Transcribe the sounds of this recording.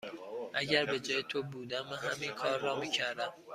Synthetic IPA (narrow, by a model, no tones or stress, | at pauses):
ʔæɟæɾbed͡ʒɒːjet̪ʰobuːd̪æmːænɦæmiːnkʰɒːɾːɒːmiːcʰæɾd̪æm